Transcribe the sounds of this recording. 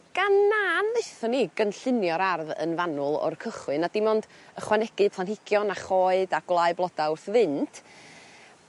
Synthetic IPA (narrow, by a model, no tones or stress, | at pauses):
ɡ̥anːaːnðeɨθɔniɡənɬɪnjɔɾarðə̰nvanʊlˠɔ̰rkʰəχwɨnad̥ɪmɔndəχwanɛɡ̥ɨpʰlˠanhɪɡ̥jɔnaχɔːɨdaɡ̥wlˠaɨblˠɔdawθvɨntʰ